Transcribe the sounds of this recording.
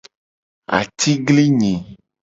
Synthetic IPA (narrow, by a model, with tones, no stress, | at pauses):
a̰˨t̪i˦ɡli˦ɲĩ˨